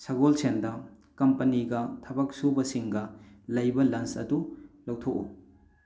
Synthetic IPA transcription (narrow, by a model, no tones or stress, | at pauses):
sɐɡolsʰendɐ | kɐmpɐniɡɐtʰɐbɐk̚subɐsiŋɡɐlɐjbɐlɐnsɐ̰dulɐwtʰoku